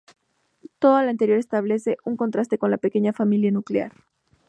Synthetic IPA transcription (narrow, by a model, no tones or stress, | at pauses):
t̪o̞ðalaant̪e̞ɾjo̞ɾe̞st̪aβ̞le̞se̞ʔuŋko̞nt̪ɾast̪e̞ko̞nlape̞ke̞ɲafamiljanuklea̰ɾ